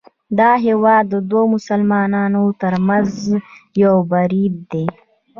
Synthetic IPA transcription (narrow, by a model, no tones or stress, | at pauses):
d̪ɑːɦewɑːd̪ːəd̪womʊsəlmɑːnɑːnot̪əɾmazjawbaɾib̪̚d̪e